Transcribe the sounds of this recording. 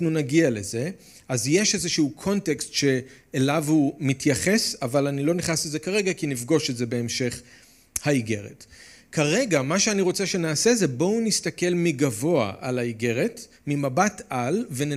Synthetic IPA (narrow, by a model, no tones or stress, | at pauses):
nunaɡiale̞ze̞ | azje̞ʃezeʃuukʰo̞nte̞kstʃe̞ː | lavumitʰjaχe̞savalanilo̞niχnaslezekaʁe̞ɡakinifɡo̞ʃetze̞be̞ːmʃe̞χ | haiɡe̞ʁḛt | kaʁe̞ɡamaʃeaniʁo̞t͡seʃe̞naːseze̞bo̞unistake̞lmiɡavo̞a̰ʔa̰laiɡe̞ʁe̞t | mimabatalve̞n